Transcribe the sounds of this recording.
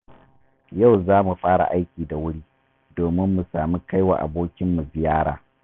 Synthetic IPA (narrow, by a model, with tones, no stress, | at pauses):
ja˦˨wzaː˦mu˨ɸʼaː˦ɽa̰˨ʔa˦jkʲiː˨da˨wʊ˦ɽiː˦ | doː˨mɪ˦mːu˨saː˨mi˦ka˦jwa̰ː˨ʔa̰˨boː˦kʲɪ˦mːu˨zɪ˨jaː˦ɽaː˨